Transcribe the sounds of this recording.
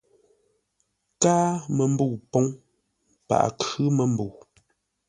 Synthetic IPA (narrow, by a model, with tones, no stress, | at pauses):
kaː˦mə˨m̩˦bu˦˨wpɔ˦ŋ | pa̰˨ʔkʉ˦mə˨m̩˦bu˨